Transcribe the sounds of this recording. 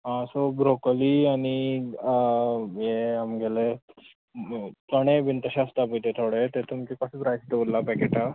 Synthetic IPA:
ɦãsobɾokliaɽ̃i | jeamɡʱele | t͡səɽ̃ebint̪əɕast̪ap̬it̪et̪ʰoɽet̪et̪umt͡ɕikəsəpɾajsd̪eulːapɛkeʈa

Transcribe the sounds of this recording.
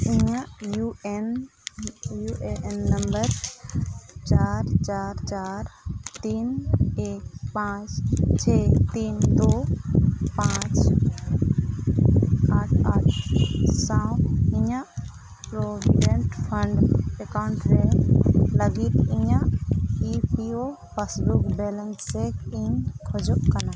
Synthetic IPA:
iɲãjuen | juʔeenːəmbəɾ | t͡ʃaːɾt͡ʃaːɾt͡ʃaːɾt̪iːneːk̚pãt͡ʃt͡ʃʰet̪iːnd̪oː | pãt͡ʃ | aʈʰaʈʰsãwiɲã | pɾobiɖeɳʈpʰəɳɖɛkawɳʈɾe | ləɡik̪iɲãʔipio | pasbukbɛlənsekiɲkʰɔd͡ʒokana

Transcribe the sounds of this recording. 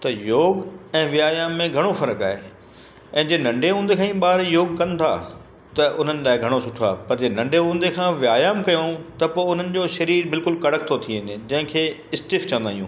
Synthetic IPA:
t̪ɐjoːɡɛ̃ːʋɪaːjaːmːẽɡʱɐɽ̃ofɐɾəka̰ːɦe | ɛ̃ːd͡ʑeːnɐ̃ɳɖeɦũːnd̪ekʰãːĩːɓaːɾjoːɡkɐ̃nt̪ʰa̰ː | t̪ɐʔʊn̤ənɪ̆laːɦɪɡʱɐɽ̃osʊʈʰa̰ːpɐɾd͡ʑeːnɐ̃ɳɖʱeɦũːnd̪ekʰãːʋɪjaːjaːmkɐjõt̪ɐpoːʊn̤ənɪ̆d͡ʑoːʃɐɾiːɾbɪlkʊlkɐɽ̤ək̚t̪ʰot̪ʰiɪnd͡ʑɐ̃ɦɪ̃kʰeː | ɪsʈɪft͡ɕɐ̃ʋə̃nd̪aːɦijṵ̃ː

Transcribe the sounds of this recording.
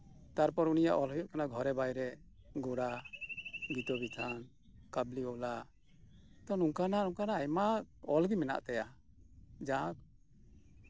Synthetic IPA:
t̪aɾpɔɾunija̰ʔɔlɦɔjɔʔkanaɡʱɔɾɛbajɾɛ | ɡɔɽa | ɡit̪ɔbit̪ʰan | kabliɔla | t̪ɔnuŋkananuŋkanaːjmaɔlɡimɛna̰ʔt̪ɛja | d͡ʒaãk̚

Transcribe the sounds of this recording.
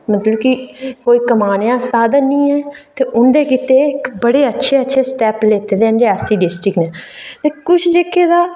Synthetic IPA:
mət̪ləbkikoːiːkəmaːnjãːsaːd̪ənĩːɛːt̪eːʔʊnd̪eːkiːt̪eːɪkbəɽeːətːʃʰeːətːʃʰeːsʈɛːpleːt̪eːd̪eːənɖeːaːsiːɖɪsʈɾɪknɛːt̪eːkʊt͡ʃʰd͡ʒeːkʰːeːd̪aː

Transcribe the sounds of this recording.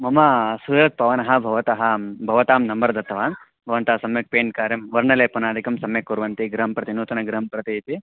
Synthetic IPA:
mɐmɐsuːɾɐk̪̚pɐʋɐnɐɦɐ̆bʱɐʋɐt̪ɐɦɐbʱɐʋɐt̪aːmnɐmbɐɾɐd̪ɐt̪ʰːɐʋaːn | bʱɐʋɐnt̪aːsɐmjɐk̚peːɳʈkaːɾjɐmʋɐɾɳɐleːpɐnaːd̪ikɐmsɐmjɐkːuɾʋɐnt̪iɡɾɐɦɐmpɾɐt̪inuːt̪ɐnɐɡɾɐɦɐmpɾɐt̪iːt̪i

